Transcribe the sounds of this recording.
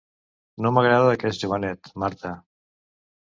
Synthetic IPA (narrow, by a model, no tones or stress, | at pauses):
noməɣɾaðaðəkɛsʒuβ̞ənɛt̪maɾt̪ə